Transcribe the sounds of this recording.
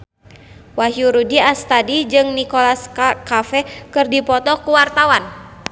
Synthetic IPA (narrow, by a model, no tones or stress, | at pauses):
waɦjuɾudiast̪adid͡ʒɨŋnikɔlaskakafɛkɨrdipɔt̪ɔkuwart̪awan